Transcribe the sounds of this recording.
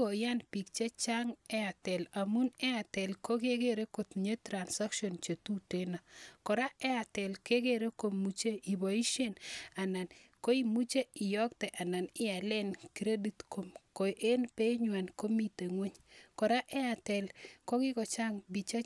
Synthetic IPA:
o˨ja˦npi˨k̚t͡ʃe˦t͡ʃa˦ŋɛ˦a˨tɛ˨la˨mu˦nɛ˦a˨tɛ˨lko˦ɡe˦ɡe˦ɾe˦ko˨t̪ɲe˦tɾa˨nsa˦kʃɔ˨nt͡ʃe˨tu˦te˦na˨kɔ˨ɾa˦ɛ˦a˨tɛ˨lke˦ɡe˦ɾe˦ko˨mu˦t͡ʃe˦i˨bo˨i˦ʃe˦na˨na˨nko˦i˦mu˦t͡ʃe˦ɪ˨jɔ˦k̚tɛ˨ʔa˨na˨nɪ˦a˨lɛ˦nkiɾe˦di˦tko˨mko˨ʔe˦npe˦ɲwa˨nko˦mi˦te˨ŋwe˦ɲkɔ˨ɾa˦ʔɛ˦a˨tɛ˨lko˦ɡɪ˦kɔ˨t͡ʃa˦ŋbi˨t͡ʃe˦

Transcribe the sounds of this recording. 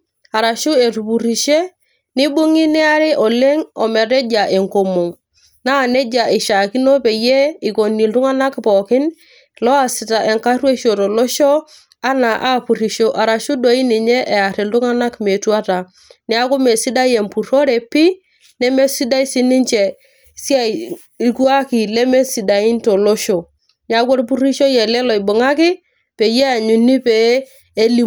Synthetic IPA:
a˨ɾa˨ʃu˦e˨tu˨pu˨ɾi˨ʃe˦ | nɪ˦bu˦ŋi˦nɪ˦a˦ɾɪ˦ʔɔ˨le˦ŋɔ˨me˨ɾe˦d͡ʒa˨ʔe˨ŋko˨mo˨ŋ | na˦˨ne˦d͡ʒa˨ʔi˨ʃa˨ki˦no˦pe˨je˦i˨ko˨ni˨ltu˦ŋa˦na˦kpɔ˨kɪ˦n | lɔ˦a˨sɪ˨ta˨ʔe˨ŋka˦rwe˦ʃo˨ɾo˨lɔ˦ʃɔ˦ | a˦na˨ʔa˦˨pu˨ri˨ʃo˦ʔa˨ɾa˨ʃu˦do˦i˦ni˨ɲɛ˦ʔe˨a˨ɾɪ˨ndʊ˦ŋa˦na˦kme˨tu˦a˦ta˨ | nɪ˨˦a˦kʊ˦me˨sɪ˦da˦je˨mpu˨ɾo˦ɾe˨pɪ˦ | nɛ˦me˦si˦da˦i˦sɪ˦nɪ˦ɲt͡ʃɛ˨ | si˦a˦˨ | i˨˦ku˦a˦ki˨le˦me˦si˨da˨ɪ˦nto˨lo˦ʃo˨ | nɪ˨a˦ko˦ɾp̬u˦ɾi˦ʃo˦jɛ˨lɛ˦lɔ˨ɪ˨bʊ˨ŋa˦kɪ˦ | pe˨je˦a˨ɲu˨ni˦peː˨˦ | li˦

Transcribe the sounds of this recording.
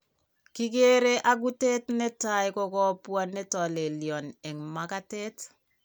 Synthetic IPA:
ki˦ke˦ɾe˦ʔa˦ɡ̬u˦te˦tne˦tajkɔ˦kɔ˦pwa˦ne˦tɔ˨le˨ljɔ˨nɛ˨ŋma˦ka˦te˦t

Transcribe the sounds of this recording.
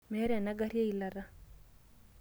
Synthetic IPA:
mɛ˨˦ɾɛ˨na˦ɡa˦ɾja˦i˨˦la˨ɾa˦

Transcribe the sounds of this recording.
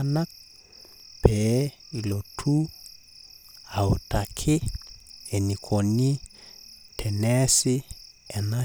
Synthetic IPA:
na˦ | pɛ˦ | i˨lo˨tʰu˦ | a˨o˨ta˨kʰɪ˦ | ɛ˨ni˨kʰo˨ni˦ | tʰɛ˨nɛ˦sɪ˦ | ɛ˨na˦

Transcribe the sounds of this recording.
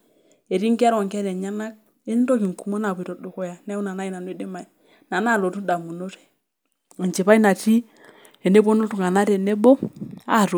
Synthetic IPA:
e˨ɾi˦ŋki˦a˦ɾɔ˨ŋkɛ˦lɛ˨ɲa˦na˦k̚ | e˦n˦tɔ˦ki˨ŋ˨ku˨mɔ˦na˨pi˨ɾɔ˨do˨kɔ˦ja˨nɛ˦u˦na˨na˦i˦na˨nwɛ˨de˦ma˨i˨ | na˨na˦˨lo˨tu˦da˨mu˨no˦ɾɛ̥˨ | a˨nt͡ʃe˨pa˦i˦na˨ti˦ | ɛ˨ne˦bo˦no˦tu˨ŋa˨na˦ɾɛ˨nɛ˦bo˦a˦˨ɾo˨

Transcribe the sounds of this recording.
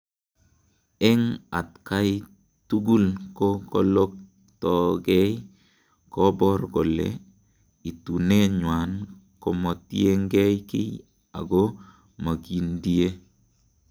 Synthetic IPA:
ɛ˦ŋa˨tka˦j | tu˦ɡu˦lkɔ˦kɔlɔ˦k̚ | tɔ˨ɡɛ˦j | kɔbɔ˦ɾɡɔ˨lɛ̰ | i˨tu˨ne˦ɲwa˨n | kɔ˨mɔ˨tie˦ŋɡɛ˦jkɪ̰˦j | a̰˨ɡɔ˦ | ma˨ɡi˨ndi˦e˦

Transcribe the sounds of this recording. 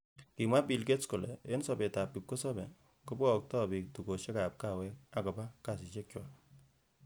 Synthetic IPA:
ki˨mwa˦pi˨lke˦tsko˨lɛ˨e˦nsɔ˨be˨ta˨p̚ki˨p̚ko˦sɔ˦bɛ˨ | ko˦bkɔ˨k̚tɔ˦bi˨k̚tu˨ko˨ʃe˦ka˨p̚ka˦˨wɛ˦ka˨kɔ˨pa˦ka˨s̬i˨ʃe˦k̚t͡ʃwa˨

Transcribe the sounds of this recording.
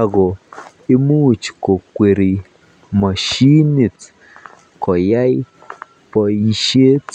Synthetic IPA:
a˨ɡɔ˨ | e˦mu˦˨t͡ʃko˨kwe˨ɾi˨ | ma˨ʃi˦ni˨t | kɔ˨ja˦j | pɔ˨i˨ʃe˦t

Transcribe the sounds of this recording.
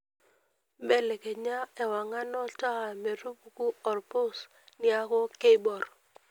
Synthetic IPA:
bɛ˦lɛ˨ke˨ɲa˦ɛ˨wa˨ŋa˦nɔ˦ta˦ha˨me˨ɾu˦pu˨ku˦ɔ˨ɾpo˦s | nja˦kɔ˦ke˦bɔ˨r

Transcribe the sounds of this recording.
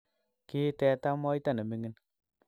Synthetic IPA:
ki˦tɛ˧ta˦mɔ˦jta˦˨ne˨mi˦ŋi˦n

